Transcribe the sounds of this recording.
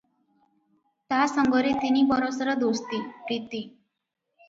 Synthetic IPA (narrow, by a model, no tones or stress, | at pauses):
t̪asəŋɡʱəɾet̪iniːbəɾosəɾəd̪ost̪iɾit̪i